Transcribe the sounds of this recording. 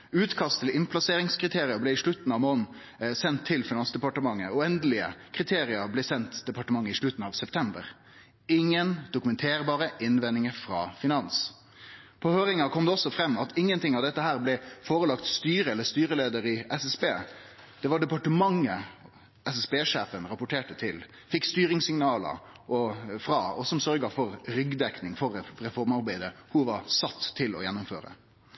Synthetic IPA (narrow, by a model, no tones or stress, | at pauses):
ʉːt̪kʰɑst̪ʰəlɪnpʰlɑseːɾɪŋskʁɪt̪ʰeːɾɪəblɛɪʂɭʉt̪n̩ɑʋmoːn̩ | sɛnt̪ʰːɪlfɪnɑnsd̪ɛpɑʈəmɑŋːəɔɛnd̪əlɪə̰kʰʁɪt̪ʰeːɾɪəɾblɛːsɛnt̪d̪ɛpɑʈəmɑŋːəɪʂɭʉt̪ːn̩ɑʋsɛpt̪ʰɛmbə̰ɾ | ɪŋːənd̪ʊkʉmɛnt̪ʰeːɾbɑːɾəʔɪnʋɛnːɪŋəfɾɑ̰ːfɪnɑns | pʰɔhøːɾɪŋɑkʰɔmd̪ɛɔsːɔfɾɛmːɑt̪ʰɪŋːənt̪ʰɪŋːɑʋd̪ɛt̪ːəhæːɾblɛfoːɾəlɑkt̪st̪yːɾəɛlːəɾst̪yːɾəleːd̪əɾɪɛsɛsbeː | d̪̥ɛʋɑɖɛpɑʈəmɑŋə | ɛsɛsbeːʂeːfənɾɑpʊʈʰeːʈət̪ʰɪl | fɪkːst̪yːɾɪŋsɪŋnɑːlə̰ɾ | ʔɔfɾɑːɔsɔmsœɾɡəfɔɾɾʏɡd̪ɛknɪŋfɔɾɾɛfɔɾmɑɾbæɪd̪əhuʋɑɾsɑt̪ʰːɪlɔ̰jɛnːʊmføːɾə̰